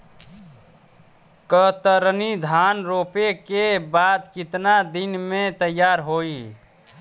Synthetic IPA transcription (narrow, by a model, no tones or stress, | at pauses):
kət̪əɾnid̪ʱanɾopekebad̪kit̪nad̪inmet̪əjːaɾɦoi